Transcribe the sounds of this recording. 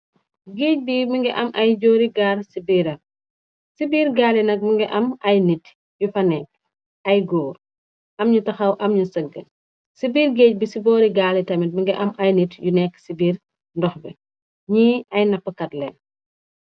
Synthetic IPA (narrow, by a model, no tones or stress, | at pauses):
ɡeːc̚bimiŋɡɛʔɐmʔɐjɟɔːɾiɡaːrsibiːɾɐ | sibiːɾɡaːlinɐk̚miŋɡɛʔɐmɐjnit | jufɐnɛːk̚ | ʔɐjɡɔːɾ | ʔɐmɲutɐxɐwʔɐmɲusəɡːə | sibiːɾɡeːc̚bisibɔːɾiɡaːlitɐmit̚miŋɡɛʔɐmɐjnitjunɛkːsibiːr | ndɔxbɛ | ɲiːɐjnɐpːəkɐtlɛn